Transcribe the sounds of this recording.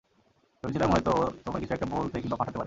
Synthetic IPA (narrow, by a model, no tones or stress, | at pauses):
d͡ʑot͡ɕʰilamɔjet̪ot̪omaɾkit͡ɕʰuɛkʈabolt̪ʰekilbapʰaʈʰat̪epaɾe